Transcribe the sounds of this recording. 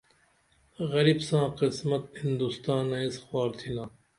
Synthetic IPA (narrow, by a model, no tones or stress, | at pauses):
ɣɐɾibsãːqɪsmɐt̪̚hɪ̃nd̪ust̪aːnẽisxwaːɾt̪ʰinãː